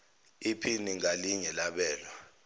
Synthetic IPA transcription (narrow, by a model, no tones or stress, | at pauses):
ipʰiniŋaliɲɛlaɓɛːlwa